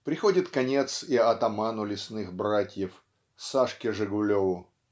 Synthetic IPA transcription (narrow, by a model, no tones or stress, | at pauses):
pɾʲɪxo̞dʲɪt̪kɐnʲe̞t̪siɐt̪ɐmanʊlʲɪsnɨxbɾatʲjɪf | saʂkʲɪʐɨɡʊlʲovʊ